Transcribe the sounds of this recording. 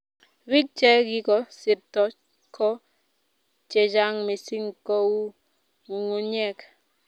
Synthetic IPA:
wi˦k̚t͡ʃɛ˦ɡɪ˦kɔ˨sɪ˨tɔ˨ | kʰɔ˦ | t͡ʃɛ˨d͡ʒa˦ŋme˨si˦ŋko˦wu˦ | ŋu˨ŋo˦ɲɛ˦˨k

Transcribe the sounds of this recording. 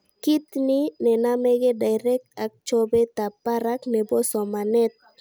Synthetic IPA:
ki˦t̪ni˦nɛ˨namɛɡɛ˦da˨jɾɛk̚t̪ak̚t͡ʃɔbɛt̪a˨paɾaknɛ˨bo˦sɔ˨ma˨nɛt̪̚

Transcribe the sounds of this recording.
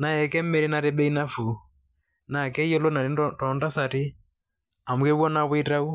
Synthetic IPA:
na˨ɛ˨kɛ˦m̩˦mɛ˦ɾi˦na˨ɾe˦bɛ˦i˦na˦fu˨ | na˨kɛ˦i˦ɔ˦lo˦na˨ɾi˨˦tɔ˨nda˦sa˨ti˦ | a˨mu˨ke˦wɔ˦na˦wɪ˦ta˦u˦

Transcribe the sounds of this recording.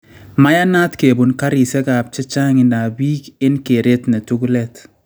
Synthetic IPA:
ma˦ja˦na˦tke˨bu˨nka˦ɾi˨sɛ˦ka˨p̚t͡ʃɪ˦t͡ʃa˦ŋɪ˨na˨biː˦kɪ˦nkɪ˨ɾe˦tnɛ˨tu˦klɛ˦t

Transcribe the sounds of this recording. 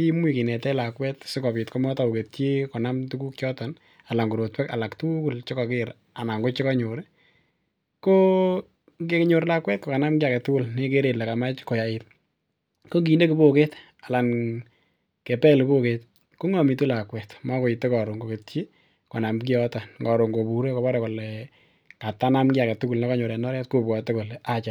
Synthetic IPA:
ki˦mwi˦˨kɪ˨nɛ˨tɛ˦la˨kwɛ˦tsɪ˦kɔ˨pɪ˨tkɔ˦mɔ˦ta˨o˨ke˨tje˦kɔ˨na˦mtu˦ku˦kt͡ʃjɔ˦tɔ˨n | a˨la˨ŋɡu˨ɾo˨twɛ˦ka̰˨la˨ktu˦kʊ˦lt͡ʃe˦kɔ˨kɪ˦ɾ | a˨na˨ŋɡo˦t͡ʃe˦ka˦ɲo˨ɾi | ko˦ | ke˦kɲo˨ɾla˦kwɛ˦t̚kɔ˨ka˨na˦mkɪa˨kɛ˨tʊ˦ʊ˦lnɪ˦ke˦ɾe˨la˨ka˨ma˦t͡ʃko˨ja˨ɪt̚ | ko˦k̬i˨nde˦ki˨bo˦ke˦t | a˨la˨n | ke˨pɛ˦lɪ˨bo˦ket | ko˦ŋɔ˨mi˨tu˦la˨kwɛ˨tma˦ko˨ɪ˨tːe˦kɔ˨ɾo˨ŋɡo˨ke˨tt͡ʃi˦ | kɔ˨na˨mk̬i˦ɔ˦ta˨nɡɔ˨ɾo˨ŋɡo˨bu˨ɾe˦kɔ˨βɔ˦ɾɛ˨ko˨lɛ | ka˨ta˦na˦mkɪ˦a˨kɛ˨tu˦ku˨lne˦kɔ˦ɲo˨ɾɛ˨nɔ˦ɾja˦tko˦pwɔ˨te˦kɔ˨lɛ˨a˦t͡ʃa

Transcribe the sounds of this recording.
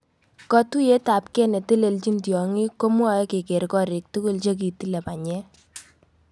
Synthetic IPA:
kɔ˦tu˦je˦ta˨p̚kɛ˦nɛ˨tɪ˦le˨lt͡ʃi˦ntjɔ˨ŋi˦ko˦mwɔ˦˨jɔ˦ke˨ke˨ɾkɔ˦˨ɾɪ˨k̚tu˦ku˦˨lt͡ʃe˦k̬i˨ti˦lɛ˨pa˨ɲɛ˦

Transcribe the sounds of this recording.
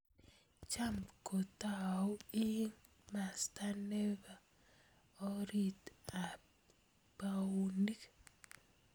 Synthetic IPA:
t͡ʃa˦mko˨ta˦˨o˦i˦ŋ | ma˨sta˦ne˦ba˨ | o˦ɾi˦t̪a˨ | pa˨u˨ni˦k

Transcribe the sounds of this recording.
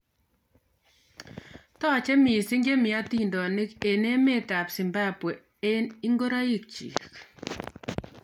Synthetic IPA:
tɔ˦t͡ʃɛ˦mi˨sɪ˦ŋɡe˦mɪ˨a˦ti˦ndɔ˨nɪ˦ke˨ne˦me˦ta˨psɪ˨mba˦pwe˨ | e˦ni˦ŋɡo˦ɾa˦ji˨k̚t͡ʃḭ˨k

